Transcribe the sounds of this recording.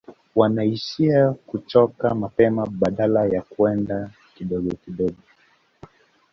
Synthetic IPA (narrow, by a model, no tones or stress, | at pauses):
wanaiʃiakut͡ʃɔkamapɛmaɓaɗalajakuɛnda | kiɗɔɡɔkiɗɔɡɔ